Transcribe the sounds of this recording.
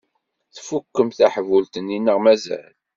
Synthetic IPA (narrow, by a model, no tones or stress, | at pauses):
θfukːəmθæħəvult̪ənːinːəʁmæzæ̰l